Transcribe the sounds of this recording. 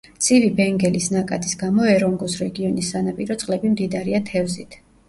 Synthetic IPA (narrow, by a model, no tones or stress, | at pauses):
t̪sʼivibɛŋɡɛlisnakʼat̪ʰʼisɡamɔɛɾɔŋɡɔsɾɛɡiɔnisːanapʼiɾɔt̪sʼqʼlɛbimd̪id̪aɾiat̪ʰɛvzit̪ʰ